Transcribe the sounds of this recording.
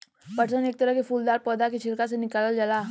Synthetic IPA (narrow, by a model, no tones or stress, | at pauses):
pɐʈsəneːk̚t̪əɾəɦkefuːld̪aːɾpəːd̪akit͡ʃʰɪlkas̬enɪkaləld͡ʒəlaː